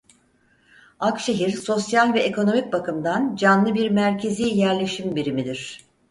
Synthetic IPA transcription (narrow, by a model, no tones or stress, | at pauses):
akʃe̞ɦiɾso̞sjalʲvɛeko̞no̞mic̚bakɯmd̪and͡ʒanlˠɯbiɾmæɾcʰe̞ziːjæɾlʲe̞ʃimbiɾimid̪iɾ̝̥